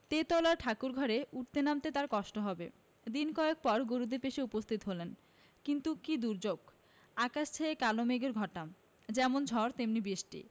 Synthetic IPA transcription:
t̪et̪ɔlaɾʈʰakuɾɡʱɔɾeʔuʈ̚t̪enamt̪et̪aɾkɔʃʈoɦɔbḛ | d̪inkɔek̚pɔɾɡoɾud̪epeʃeupost̪ʰit̪ɦolen | kint̪ukid̪uɾd͡ʑoɡ | akaʃt͡ɕʰeekalomeɡeɾɡʱɔʈːam | d͡ʑɛmond͡ʑʱɔɾt̪emnibiʃʈḭ

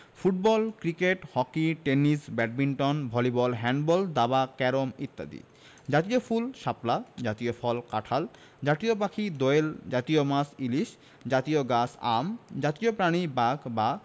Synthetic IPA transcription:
fuʈ̚bɔlkɾikeʈhɔkiʈenisbɛʈ̚binʈɔnbʱɔlibɔlɦɛɳɖbɔld̪abakɛɾomit̪ːa̰d̪ḭ | d͡ʑat̪iofʰulʃaplad͡ʑat̪iofʰɔlkaʈʰal | d͡ʑat̪iopakʰid̪oeld͡ʑat̪iomasiliʃ | d͡ʑat̪ioɡasa̰md͡ʑat̪iopɾaɽ̃ibaɡba

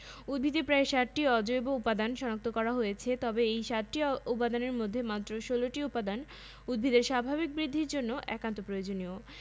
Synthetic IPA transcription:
ud̪̚bʱid̪epɾaeʃaʈʈiɔd͡ʑoeboupad̪anʃɔnak̚t̪okɔɾaɦojet͡ɕʰet̪ɔbeejʃaʈʈiupad̪aneɾmod̪ʱːemat̪ːɾoʃoloʈiupad̪an | ud̪̚bʱid̪eɾʃabʱabik̚bɾid̪ʱːiɾd͡ʑonːoʔɛ̰kant̪opɾojod͡ʑonio

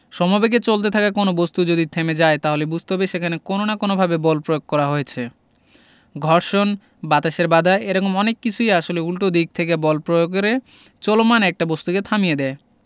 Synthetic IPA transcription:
ʃɔmabek̬et͡ɕolt̪et̪ʰakakonobost̪ud͡ʑod̪it̪ʰemed͡ʑaet̪aɦolebud͡ʑʱt̪oɦabeʃekʰanekononakonobʱabebɔlpɾojoɡ̚kɔɾaɦoet͡ɕʰe | ɡʱɔɾʃon | bat̪aʃeɾbad̪ʱaeeɾɔkomɔnekːit͡ɕʰuiaʃoleulʈod̪ik̚t̪ʰek̬ebɔlpɾojoɡɾe | t͡ɕɔlomanɛk̚ʈabost̪uket̪ʰamijed̪ɛe

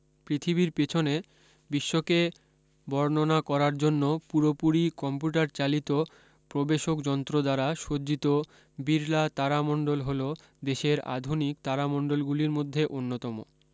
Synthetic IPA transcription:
pɾit̪ʰibiɾpet͡ɕʰone | biʃːoke | bɔɾnonakɔɾaɾd͡ʑonːopuɾopuɾikɔmpuʈaɾt͡ɕalit̪o | pɾobeʃokd͡ʑɔnt̪ɾod̪aɾaʃod͡ʑit̪o | biɾlat̪aɾamɔɳɖolɦolo | d̪eʃeɾa̰d̪ʱunikt̪aɾamɔɳɖolɡuliɾmod̪ʱːeʔonːot̪ɔmo̰

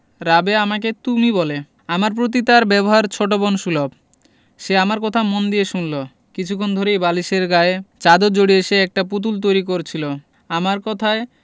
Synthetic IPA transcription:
ɾabeamaket̪umibɔle | amaɾp̬ɾot̪̬it̪aɾbɛboɦaɾt͡ɕʰoʈ̬obonʃulob | ʃeamaɾkɔt̪ʰamond̪ieʃunlo | kit͡ɕʰukʰːond̪ʱoɾejbaliʃeɾɡaet͡ɕad̪od͡ʑoɽieʃeɛk̚ʈaput̪̬ult̪̬ojɾik̬oɾt͡ɕʰilo | amaɾkɔt̪ʰae

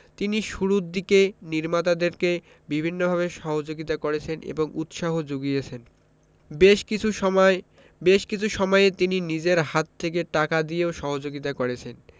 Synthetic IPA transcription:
t̪iniʃuɾud̪ikeniɾmat̪ad̪eɾke | bibʱinːobʱabeʃɔɦod͡ʑoɡit̪akoɾet͡ɕʰenʔḛboŋut̪ʃaɦod͡ʑoɡijet͡ɕʰen | beʃkit͡ɕʰue | beʃkit͡ɕʰuʃɔmɔeet̪ininid͡ʑeɾɦat̪ʰːekeʈakad̪ijeoʃɔɦod͡ʑoɡit̪akoɾet͡ɕʰen

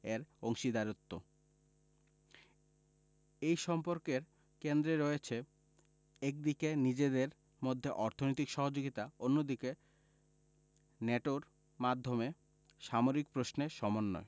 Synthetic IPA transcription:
eɾoŋʃid̪aɾot̪ːo | ejʃɔmpoɾkeɾ | kend̪ɾeɾɔet͡ɕʰe | ɛk̚d̪ikenid͡ʑed̪eɾ | mod̪ʱːeʔɔɾt̪ʰonojt̪ikʃɔɦod͡ʑoɡit̪aonːod̪ike | neʈoɾ | mad̪ʱːome | ʃamoɾik̚pɾosneʃɔmonːɔ̰e

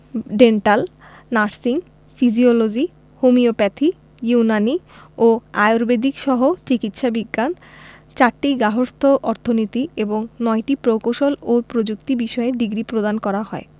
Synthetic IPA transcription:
ɖeɳʈal | naɾsiŋ | fid͡ʑiolod͡ʑi | humiopɛt̪ʰi | junani | oajoɾbed̪ikʃɔɦot͡ɕikit̪ʃabiɡːant͡ɕaɾʈiɡaɦoɾst̪ʰoʔɔɾt̪ʰonit̪ieboŋnɔeʈipɾokoʃolopɾod͡ʑukt̪ibiʃɔeɖiɡɾipɾod̪ankɔɾaɦɔe

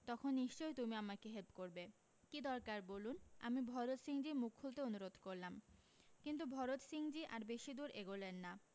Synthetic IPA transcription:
t̪ɔkʰonːiʃt͡ɕojt̪umiamakeɦelpkoɾbe | kid̪ɔɾkaɾboluna̰mibʱɔɾot̪ʃiŋd͡ʑimukʰhult̪eonuɾod̪ʱkoɾlam | kint̪̬ubʱɔɾot̪ʃiŋd͡ʑiʔaɾbeʃid̪uɾʔeɡolenːa

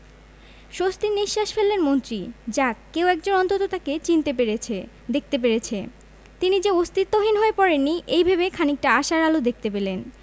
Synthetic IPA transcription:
ʃost̪iniʃːaʃfelːenmont̪ɾid͡ʑakːewɛk̚d͡ʑonɔnt̪ot̪ot̪aket͡ɕint̪epeɾee | d̪ek̚t̪ep̬eɾet͡ɕʰe | t̪inid͡ʑeost̪it̪ːoɦinɦoepɔɾenːiʔejbʱabekʰanik̚ʈaaʃaɾalod̪ek̚t̪epelen

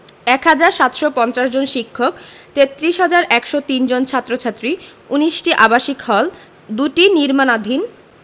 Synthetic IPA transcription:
ɛkɦad͡ʑaɾʃat̪ʃopɔnt͡ɕaʃd͡ʑonʃikʰːok | t̪et̪ːɾiʃɦad͡ʑaɾɛkʃot̪ind͡ʑont͡ɕʰat̪ːɾot͡ɕʰat̪ːɾiuniʃʈiʔabaʃikhɔl | d̪uʈiniɾmanad̪ʱin

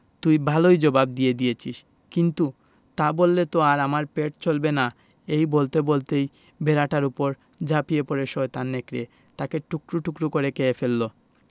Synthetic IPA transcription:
t̪ujbʱalojd͡ʑobab̚d̪ijed̪ijet͡ɕʰiʃ | kint̪u | t̪abolːet̪oaɾamaɾpeʈ̚t͡ɕolbena | ejbolt̪ebolt̪ej | beɾaʈaɾupoɾ | d͡ʑapijepoɾeʃɔet̪anːekɾe | t̪akeʈukɾuʈukɾukoɾekeefelːo

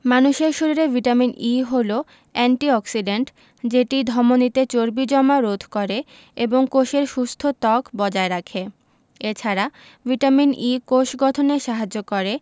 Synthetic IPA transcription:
manuʃeɾʃuɾiɾevʱiʈaminiɦolo | ɛɳʈiɔksiɖeɳʈ | d͡ʑeʈid̪ʱɔmonit̪et͡ɕoɾbid͡ʑɔmaɾod̪ʱkoɾe | eboŋkoʃeɾʃust̪ʰot̪ɔkbɔd͡ʑaeɾakʰe | et͡ɕʰaɾa | vʱiʈaminikoʃɡɔt̪ʰoneʃaɦad͡ʑokoɾe

